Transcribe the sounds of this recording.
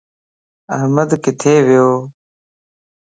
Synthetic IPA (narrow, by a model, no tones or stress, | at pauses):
ɐɦməd̪kɪt̪ʰeːʋɪjoː